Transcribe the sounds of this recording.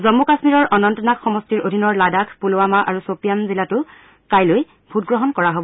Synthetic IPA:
zɔmːukasmiɹɔɹɔnɔntɔnakxɔmɔstiɹodʱinɔɹladakʰpuloamaʔa̰ɹusopijamzilatʊ | kajloj | bʱut̚ɡɹɔɦɔnkɔɹaɦobɔ

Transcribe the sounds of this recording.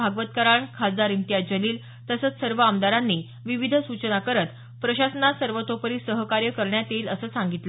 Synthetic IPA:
aɡʋət̪kaɾaɳkʰad͡zd̪aɾint̪ijad͡ʑəliːl | t̪əsət͡ssəɾʋəamd̪aɾanːi | ʋiʋid̪ʱəsut͡ɕənakəɾət̪ | pɾəɕasənasəɾʋət̪opəɾiːsəɦəkaɾjəkəɾɳjat̪iːləsəːsãŋɡit̪lə

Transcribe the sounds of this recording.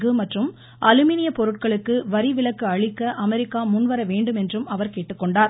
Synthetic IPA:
ɣɯmɐʈrɯm | ʔɐlɯmiːnɪjɐpɔɾɯʈ̚kɐɭɯkːɯʋɐɾɪʋɪɭɐkːɯɐɭɪkːɐʔɐmɛɾɪkːaːmʊnʋɐɾɐʋeːɳɖɯmɛndrɯmɐʋɐɾkeːʈːɯkːɔɳɖaːɾ

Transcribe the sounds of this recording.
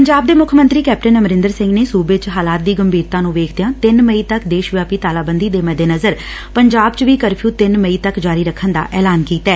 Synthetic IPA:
pəɲd͡ʒaːb̚d̪eːmʊkʰəmə̃nt̪ɾiːkɛːpʈənəməɾɪ̃nd̪əɾsɪ̃ŋɡneːsuːbeːt͡ʃɦaːlaːt̪̚d̪iːɡəmbʱiːɾt̪ãːnũːʋeːkʰd̪ejãːt̪ɪnməiːt̪əkd̪eːʃʋjaːpiːt̪aːlaːbənd̪iːd̪eːmɛːd̪eːnəzəɾ | pəɲd͡ʒaːbt͡ʃʋiːkəɾpʰjũːt̪ɪnməiːt̪əkd͡ʒaːɾiːɾəkʰənd̪a̰ːʔɛːlaːnkiːt̪ɛː

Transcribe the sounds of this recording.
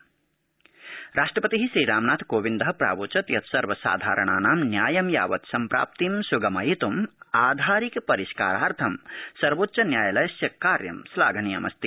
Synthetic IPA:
ɾaːʂʈɾɐpɐt̪iɦisɾiːɾaːmnaːt̪ʰkoːʋind̪ɐɦpɾa̰ːʋoːt͡ʃɐt̪jɐt̪ʰsɐɾʋɐsa̰ːd̪ʱa̰ːɾəɳaːnaːmnjaːjɐmja̰ːʋɐt̪sɐmpɾa̰ːp̚t̪imsuɡɐmɐjit̪umaːd̪ʱaːɾikpɐɾiska̰ːɾaːɾt̪ʰɐmsɐɾʋoːt̪ːʃɐnjaːjɐlɐjɐsjɐkaːɾjɐ̰msla̰ːɡʱɐnijɐ̰mɐ̰st̪i

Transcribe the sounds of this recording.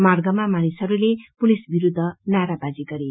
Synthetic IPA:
marɡʌmamanisʌɾulepulisbiɾud̪ʱːʌnaɾabad͡ziɡʌɾe

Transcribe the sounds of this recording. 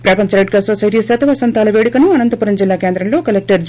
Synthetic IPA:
pɾɐːpɐɲt͡ʃɐɾɐɖ̚kɐsoːsɐjʈisɐt̪ʰɐʋɐsɐnt̪ʰaːlɐʋeːɽikɐnuɐnɐnt̪ɐpuɾɐnd͡ʒilːaːkeːnd̪ɾɐmlo̞ːkɐlek̚ʈɐɾd͡ʒ

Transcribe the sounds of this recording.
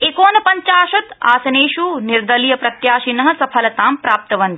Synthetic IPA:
ekoːnɐpɐɲt͡ʃaːʃɐt̪a̰ːsɐneːʃuniɾd̪ɐlijɐpɾɐt̪jaːʃinɐɦɐ̆sɐpʰɐlɐt̪aːmpɾaːp̚t̪ɐʋɐnd̪i

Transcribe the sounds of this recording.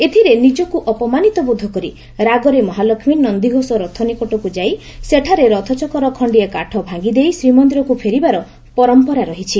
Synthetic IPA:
et̪ʰiɾenid͡ʒɔkuʔɔpɔmanit̪ɔbud̪ʱːɔkɔɾi | ɾaɡɔɾemɔɦalɔkʰminnɔnd̪iɡʱosɔɾɔt̪ʰɔnikɔʈɔkud͡ʒaj | seʈʰaɾeɾɔt̪ʰɔt͡ʃɔkɔɾɔkʰɔɳɖiekaʈʰɔbʱãɡid̪ejsɾimɔnd̪ɾɔkupʰeɾibaɾɔ | pɔɾɔmpɔɾaɾɔɦit͡ʃʰi

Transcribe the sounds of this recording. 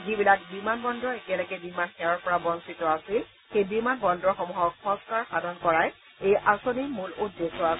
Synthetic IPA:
zibilak̚bimanbɔndɹɔekɛlɔɡɛbimanxɛɹɔɹpɔɹabɔnsitɔasil | xejbimanbɔndɹɔxɔmuɦɔkpɔ̃skaɹxadʱɔnkɔɹaj | ejʔasonimuludːesɔas

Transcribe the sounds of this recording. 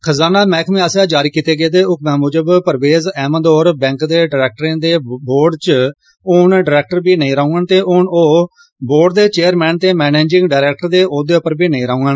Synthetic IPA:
kʰəzaːnaːmɛ̃ːkʰmẽːəsjãːd͡ʒaːɾiːkiːt̪eːɡeːd̪eːʊkmɛ̃ːmʊːd͡ʒəbpəɾʋeːzɛːməd̪oːɾbɛ̃ːŋkd̪eːɖɾɛːk̚ʈɾẽːd̪eːboːɾɖt͡ʃ | ʊɳɖəɾɛːk̚ʈəɾbiːnəĩːɾaːũŋɡənt̪eːʔʊɳoː | boːɾɖ̚d̪eːt͡ʃeːəɾmɛ̃ːnt̪eːmɛːneːd͡ʒɪ̃ŋɡɖaːɾɛːk̚ʈəɾd̪eːʔoːd̪eːʊpəɾbiːnəĩːɾaːũːɡən

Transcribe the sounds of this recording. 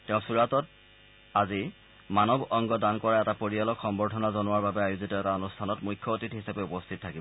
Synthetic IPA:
tɛʊ̃suɹatɔt̚ | azi | manɔbɔŋɡɔdankɔɹaɛtapoɹijalɔkxɔmbɔtʰɔnazɔnʊwaɹbabɛajuzitɔɛtaonustʰanɔtmujkʰːjɔotitɦhisapɛupɔstʰit̚tʰakibɔ

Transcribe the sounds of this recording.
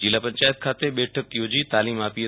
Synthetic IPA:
d͡ʑiːlaːpɐ̃ɲt͡ɕaːjət̪̚kʰaːt̪eɓeːʈʰək̪̚ijod͡ʑiːt̪aːliːmaːpi

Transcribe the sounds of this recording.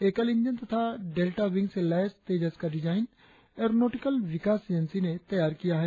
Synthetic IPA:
eːkəlɪ̃ɲd͡ʒənt̪ɐt̪ʰaɖeːlʈaʋɪ̃ŋɡselɛːɪst̪eːd͡ʒəzkɐɾid͡ʒaːɪn | eɾnoːʈɪkəlʋɪkaːseːd͡ʒənsinet̪ɐjaːɾkijaɦɛ

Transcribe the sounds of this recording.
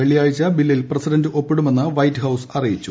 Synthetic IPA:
eɭijaːjit͡ɕːɐbilːilprɐsidɐndɨʔo̞pːiɽume̞nːɨʋɐjtːɨhɐwsɐrijit͡ɕːu

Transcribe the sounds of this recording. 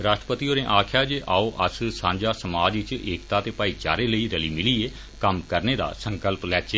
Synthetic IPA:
ɾaːʃʈɾəpət̪iːoːnẽːʔaːkʰjaːd͡ʒeʔaːoːʔəssãːɲd͡ʒaːsəmaːd͡ʒʋɪt͡ʃeːkt̪aːt̪eːpaːiːt͡ʃa̰ːɾeːləiːɾəliːmɪliːeː | kəmkəɾneːd̪a̰ːsəŋkəlplɛːt͡ʃeː

